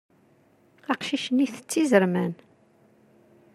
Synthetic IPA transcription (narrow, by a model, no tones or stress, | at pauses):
æqʃiʃəniθə̥t͡sːizəɾmæn